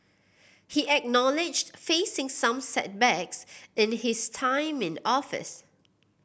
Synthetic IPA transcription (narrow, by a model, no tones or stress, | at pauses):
hiʔɛk̚nɔlɪd͡ʒtfesɪ̃ŋsãmsɛ̰t̚bɛksɪ̃nhɪstʰãɪ̃mɪ̃nɔfɪ̰s